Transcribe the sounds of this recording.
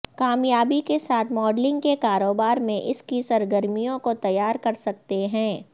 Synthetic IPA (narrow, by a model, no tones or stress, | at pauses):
kaːmjaːbikesaːt̪ʰmɔːɖlɪ̃ŋɡkekaːɾoːbaːɾmẽʔɪskisɐɾɡəɾmijõkot̪ɐjaːɾkɐɾsɐk̚t̪eɦɛ̃ː